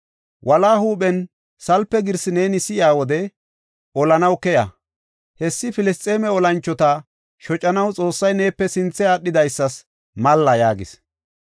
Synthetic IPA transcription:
wʔɐlaːhuːɓɛn | sɐlpːɛɡɪɾsɪneːnɪsɪjɪaːwɔd̪ɛ | ɔlɐnɐwkɛja̰ | hɛsːɪfɪlɪst̪ʼe̞ːmɛɔlɐnt͡ʃːɔt̪ɐ | ʃɔt͡ʃʼːɐnɐwt͡sʼo̞ːsːɐjne̞ːpːɛsɪnt͡sːɛaɗːɪd̪ɐjsːɐs | mɐlːɐjaːɡɪ̰s

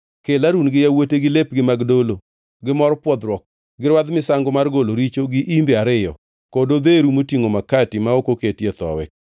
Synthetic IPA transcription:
kelaɾunɡɪjawoteɡɪlep̚ɡɪmaɡdolo | ɡɪmɔɾpwɔd̪ɾwɔk̚ | ɡɪɾwad̪mɪsaŋɡomarɡoloɾit͡ʃoɡɪʔimbeaɾɪjɔ̰ | kodod̪eɾumotiŋomakatɪmaokoketjet̪ɔ̰wɛ̰k̚

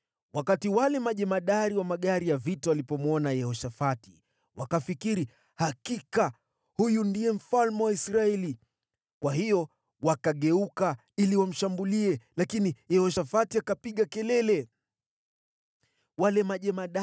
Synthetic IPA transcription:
wakatiwalɛmaʄɛmaɗaɾiwamaɠaɾijavitaalipɔmwɔnajɛhɔʃafati̥ | wakafikiɾi | hakika | hujundiɛm̩falmɛwaisɾaɛli | kwaɦijɔ | wakaɠɛuka | iliwam̩ʃambuliɛlakinijɛhɔʃafatiakapiɠakɛlɛlɛ | walɛmaʄɛmaɗa

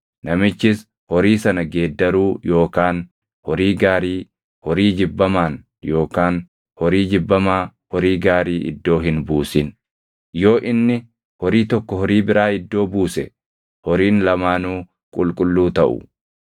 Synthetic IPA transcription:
nɐmɪt͡ʃːɪs | hɔɾiːsɐnɐɡeːd̪ːɐɾuːjo̞ːkaːn | hɔɾiːɡaːɾiː | hɔɾiːd͡ʒɪbːɐmaːn | jo̞ːkaːn | hɔɾiːd͡ʒɪbːɐmaːhɔɾiːɡaːɾiːʔɪ̰d̪ːo̞ːɦɪnbuːsɪn | jo̞ːʔɪnːɪ | hɔɾiːt̪ɔkːɔhɔɾiːbɪɾaːɪd̪ːo̞ːbuːsɛ | hɔɾiːnlɐmaːnuː | kʼʊlkʼʊlːuːt̪ɐʔʊ̰

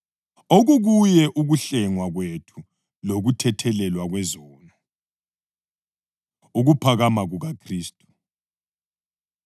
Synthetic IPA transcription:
oɣuɣujɛʔuɣuɬɛŋwaɣwetʰu | loɣutʰɛtʰɛlɛlwaɣwɛzɔːnɔ | uɣupʰaɣamaɣuɣakʰriːstʼu

